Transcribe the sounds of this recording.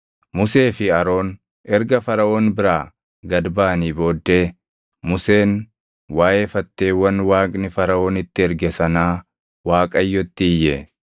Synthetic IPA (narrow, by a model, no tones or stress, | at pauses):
mʊse̞ːfɪɐɾo̞ːn | ɛɾɡɐfɐɾɐʔo̞ːnbɪɾaː | ɡɐd̪baːniːbo̞ːd̪ːe̞ː | mʊse̞ːn | waːʔeːfɐt̪ːe̞ːwɐnwaːkʼnɪfɐɾɐo̞ːnɪt̪ːɪɛɾɡɛsɐnaː | waːkʼɐjːɔt̪ːɪɪjːɛ